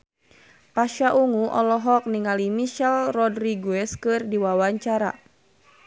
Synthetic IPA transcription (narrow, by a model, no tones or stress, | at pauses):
paʃaʔuŋuʔɔlɔɦɔk̚niŋalimiʃɛlrɔdriɡuɛskɨrdiwawaɲt͡ʃaɾa̰